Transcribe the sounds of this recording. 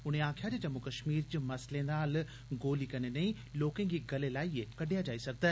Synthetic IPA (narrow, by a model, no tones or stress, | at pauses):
ʊneaːkʰijad͡ʑeːd͡ʑɐmokɐʃmiːɾd͡ʑimɐslẽːnd̪aːl | ɡoːlikɐnenɐ̃ĩ | loːkẽd͡ʑiːɡɐlelaːikɐɖʱijad͡ʑaːisɐɡ̚ʱd̪ɐ